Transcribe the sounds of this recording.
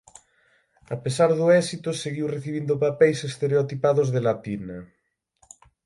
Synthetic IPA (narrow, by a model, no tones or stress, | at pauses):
apesaɾðoɛsit̪oseɣiwreθiβ̞ind̪opapɛjsest̪eɾeot̪ipaðozðelat̪ina